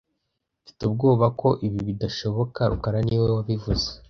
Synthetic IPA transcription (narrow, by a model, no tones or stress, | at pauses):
ufi̥tub̚ɡo̞ːβako̞ʔiβiβidaʃo̞βo̞kaɾṵkaɾaniːwewaβivuze